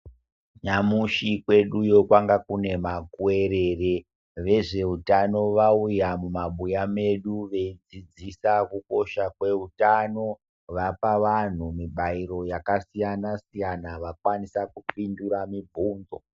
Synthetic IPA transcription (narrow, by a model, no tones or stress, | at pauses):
ɲamuʃikwe̞ɗujo̞kwaŋɡakune̞makue̞ɾere | ʋe̞ʐe̞utano̞ʋaujamumaɓujame̞ɗuʋe̞id͡zid͡zisakuko̞ʃakwe̞utano̞ | ʋapaʋan̤umiɓaiɾo̞jakasijanasijanaʋakwanisakupinduɾamibʱuːndo